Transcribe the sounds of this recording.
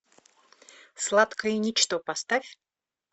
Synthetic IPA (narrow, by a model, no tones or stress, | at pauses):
slˠat̪kəjinʲɪt͡ɕt̪opɐst̪afʲ